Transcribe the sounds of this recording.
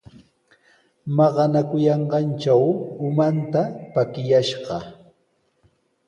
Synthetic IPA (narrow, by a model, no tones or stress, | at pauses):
mɑɢɑnakʊjɑɴɢɑnt͡ʃawʊmant̪apakɪjaʃɢɑ